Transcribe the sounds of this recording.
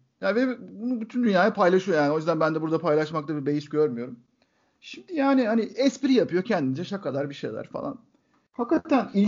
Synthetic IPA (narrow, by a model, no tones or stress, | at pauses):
janvɛbunubyt̪ʰynd̪ynjaːjapʰajlˠaʃɯjojaːniojyzd̪ænbænd̪ɛbuɾd̪apʰajlˠaʃmak̚lˠabibe̞jisɟøɾmyjo̞ɾum | ʃimd̪ijaːnihaniɛspiɾijapɯjo̞cʰɛnd̪ind͡ʒɛʃakʰːad̪aɾbiʃeja̰d̪a̰ɾfa̰lˠa̰n | fakːat̪ʰːænilʲ